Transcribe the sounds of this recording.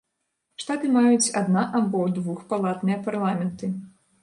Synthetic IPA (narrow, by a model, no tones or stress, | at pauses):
ʂt̪at̪ɨmajut͡sʲad̪naʔabɔd̪vuxpalˠat̪nɨjɐparlˠamʲɛnt̪ɨ